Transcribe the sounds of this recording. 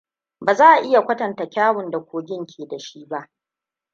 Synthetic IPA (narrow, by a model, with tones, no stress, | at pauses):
baː˨zaː˦ʔa˨ʔɪ˦ja˨kʷɐ˦tɐ˨nta˨kʲaː˦wʊ˨nda˨kʷoː˨ɡʲɪ˦ŋkʲʰeː˨da˨ʃi˦ba˦ʔ